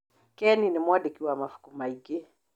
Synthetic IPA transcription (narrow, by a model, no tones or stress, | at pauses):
kɛninimwadikiwamafu̥kumaiɡe